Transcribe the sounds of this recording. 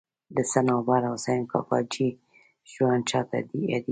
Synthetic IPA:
d̪əsanɑbaɾasajnkɑ̰kɑ̰d͡ʒi | ʒwant͡ʃɑt̪a̰d̪ia̰d̪i

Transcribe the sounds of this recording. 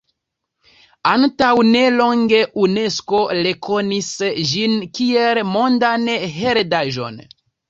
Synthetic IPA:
antawne̞lo̞ŋɡe̞ʔune̞sko̞le̞kʰo̞nisʒinkielmo̞ndanɦe̞ɾdaʒo̞̰n

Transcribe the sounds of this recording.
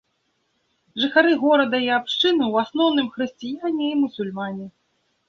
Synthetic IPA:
ʐɨxaɾɨɣɔɾɐd̪ɐiapʂt͡ʂɨnɨwasnɔwnɨmxɾɨsʲt͡sʲijanʲɛimusulʲmanʲɛ

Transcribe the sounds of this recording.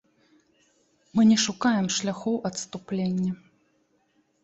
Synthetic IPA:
mɨnʲɛʂukajɛmʂlʲaxɔwʔɐt̪st̪uplʲenʲːɐ

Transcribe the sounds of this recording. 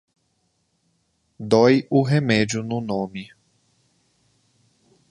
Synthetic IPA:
d̪ojʊɦemɛd͡ʒʊnʊnõmɪ

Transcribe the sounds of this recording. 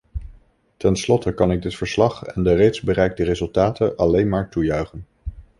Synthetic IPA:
tɛnslɔtəkɑnɪɡ̚dɪtfəɹslɑχɛndərejtzbərɛjk̚dərezɵlˠtaːtənʔɑlejnmaːɹtujœɥχən

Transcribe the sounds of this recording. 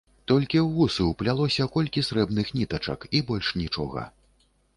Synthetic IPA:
t̪ɔlʲkʲiwɣusɨwplʲalˠɔsʲɐkɔlʲkʲisɾɛbnɨxnʲit̪ɐt͡ʂɐ̰kibɔlʲʂnʲit͡ʂɔ̰ɣɐ̰

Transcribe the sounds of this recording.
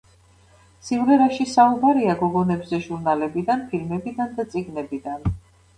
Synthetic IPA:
sivlɛɾaʃisaubaɾiaɡɔɡɔnɛbzɛʒuɾnalɛbid̪anpʰilmɛbid̪and̪at̪sʼiɡnɛbid̪an

